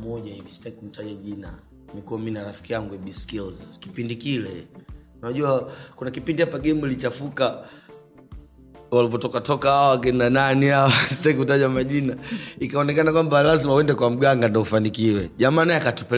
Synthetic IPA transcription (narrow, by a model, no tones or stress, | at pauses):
mɔʄaivisi̥tahikum̩taʄaʄina̰ | mikuaminaɾafi̥kijaŋɡuɛɓiskilzki̥pindikilɛ | naʄuwakunakipindihapaɡɛmuilit͡ʃafuka | walivɔtɔkatɔkahaawak̬ɛndananiawasi̥taik̬utaʄamaʄinaikaɔnɛkanakwambalazimauɛndɛkwam̩ɡaŋɡandaufanikiwɛʄamaːnajakatupɛ